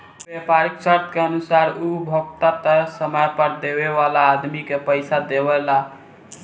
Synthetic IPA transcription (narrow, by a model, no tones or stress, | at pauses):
bepaɾiksəɾt̪ʰkeənusaɾubʱoɡt̪at̪əsəməjpəɾd̪eβeβalaːd̪mikepəɪsad̪eβɛla